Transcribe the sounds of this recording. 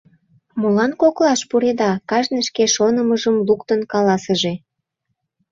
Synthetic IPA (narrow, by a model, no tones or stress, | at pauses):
mulɑnkoklɑʃpuɾed̪ɑkɑʒneʃkeʃonəməʒəmlukt̪ənkɑlɑsəʒe